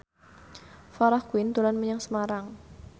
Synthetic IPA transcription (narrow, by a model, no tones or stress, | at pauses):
faɾahkuɪnt̪ulanməɲaŋsəmaɾaŋ